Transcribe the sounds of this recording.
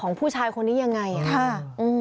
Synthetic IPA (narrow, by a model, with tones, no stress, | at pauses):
ɔː˩˦ŋpʰuː˥˩t͡ɕʰaː˧jkʰo˧nːiː˦˥ja˧ŋːa˧ja˨˩kʰa˥˩ʔɯː˧